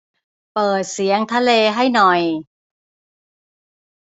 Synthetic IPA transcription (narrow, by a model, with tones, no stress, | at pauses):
pɤː˨˩t̪̚si˩˦əŋt̪ʰa˧leː˧ɦa˥˩jnɔ˨˩j